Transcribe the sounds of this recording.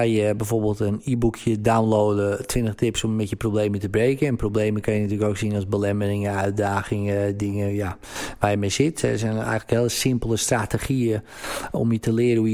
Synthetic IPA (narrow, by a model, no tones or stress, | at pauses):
ajəbɛjfoːrbɪːlˠtəniːbukʰjədawnloːdətʰʋɪntəxtɪpsɔmːɛtjəprobleːmətəbreːkənɛnprowbleːməkʰanjənatyːləkowksinɔlˠzbəlɛmərɪŋəœɥt̚daːɣɪŋədɪŋəja | ʋaːjəmesɪtɛsɛjnɛ̰jɣənləkhɪːləsɪmpəlˠəstratexiə | o̰mjətəlɪəɾəu